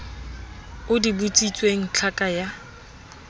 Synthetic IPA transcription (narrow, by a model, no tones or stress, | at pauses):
ʊdibut͡sʼit͡sʼweŋ̩t͡ɬʰakʼaja